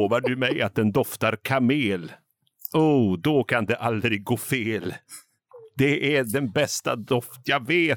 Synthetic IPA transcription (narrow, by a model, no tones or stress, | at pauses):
vaɖɵmɛja̰t̪̚d̪ɛnd̪ɔft̪aɾkʰameːl | uːd̪ɔkʰand̪ɛʔald̪ɾɪɡɡːoːfeːl | d̪ɛʔæɖɛnbɛst̪a̰d̪ɔft̪jaɡveː